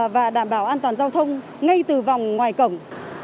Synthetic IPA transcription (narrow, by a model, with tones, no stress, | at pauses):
vaː˨˩ɗaː˧˩mɓaː˧˦wʔaː˧nt̪waː˨˩nzaː˧wt̪ʰə˧wŋ͡m | ŋa˧jt̪ɨ˨˩va˨˩wŋ͡mŋwaː˨˩jkə˧˩wŋ͡m